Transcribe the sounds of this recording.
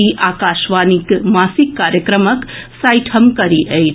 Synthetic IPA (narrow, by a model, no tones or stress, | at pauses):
iʔakaʃʋanikmasikːaɾjəkɾəməksajʈʰəmkəɾiʔəj